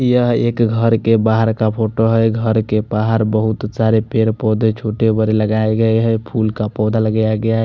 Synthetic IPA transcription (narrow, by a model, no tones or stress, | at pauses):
jəɦeːkɡʱəɾkebaɦəɾkapʰoʈoɦɛɡʱəɾkebaɦəɾbəɦut̪saɾepeɾpɔːd̪ʱet͡ʃʰoʈebəɾeləɡaeɡəeɦɛpʰulkapɔːd̪ʱaləɡəjaɡəjaɦɛ